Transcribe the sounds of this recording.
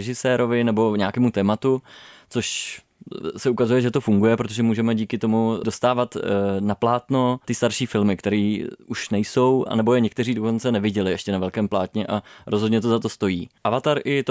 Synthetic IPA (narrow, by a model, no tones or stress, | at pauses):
ɛʒɪsɛːɾo̞vɪnɛbo̞ɲaːkɛːmut̪ɛːmat̪ut͡so̞ʃ | sɛukazujɛʒɛt̪ofuŋɡujɛpɾot̪oʒɛmuːʒɛmɛɟiːkɪt̪o̞mudo̞st̪aːvat̪naplaːt̪no̞t̪ɪst̪aɾʃiːfɪlmɪkt̪ɛɾiːʔuʃnɛjso̞wa̰nɛbo̞jɛɲɛk̚t̪ɛriːdo̞ko̞nt͡sɛnɛvɪɟɛlɪɛʃcɛnavɛlkɛːmplaːt̪ɲɛʔaɾʔozɦo̞d̪ɲɛt̪ozat̪o̞st̪o̞jiːʔavat̪aɾʔɪt̪o